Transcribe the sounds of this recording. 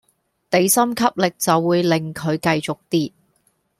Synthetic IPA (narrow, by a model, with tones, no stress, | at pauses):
t̪e˨˥jsɐ˥mkʰɐ˥p̚lɪ˨k̚t͡sɐ˨wːuː˨˧jlɪ˨ŋkʰɵ˨˧ɥkɐ˧jt͡sʊ˨k̚t̪iː˥